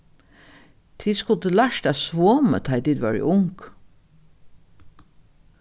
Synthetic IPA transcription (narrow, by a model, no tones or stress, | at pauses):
t̪ʰiskʊt̪əlaʃt̪æsʋoːmə̰t̪ʰɑɪd̪ɪd̪ʋɑ̰ɹ̰ʔʊŋk